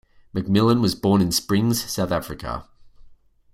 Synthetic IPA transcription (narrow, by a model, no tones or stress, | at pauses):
mək̚mɪlˠə̃nwɒzbɔːnɪ̃nspɹɪ̃ŋz̥saʊθafɹɪkʰə̰